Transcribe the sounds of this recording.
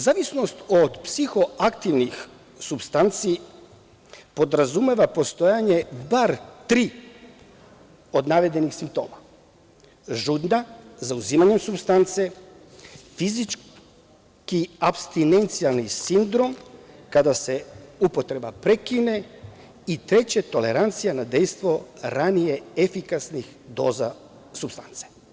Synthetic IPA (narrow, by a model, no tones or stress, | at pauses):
zaːʋisno̞st̪od̪psixo̞akt̪iʋnix | subst̪ant̪si | po̞d̪ɾazume̞ʋapo̞st̪o̞jaɲe̞baɾt̪ɾiː | o̞d̪naʋe̞d̪e̞nixsimp̚t̪o̞̰ːma | ʒud̪nazauziːmaɲe̞msubst̪ant̪se | fizit͡ʃ | kiapst̪ine̞nt̪sijalnisind̪ɾo̞mkad̪ase̞upot̪ɾe̞bapɾe̞kine̞ | it̪ɾe̞t͡ɕet̪o̞le̞ɾant̪sijanad̪e̞jst̪ʋo̞ɾanije̞efikasnix | d̪o̞ːza | subst̪ant̪se̥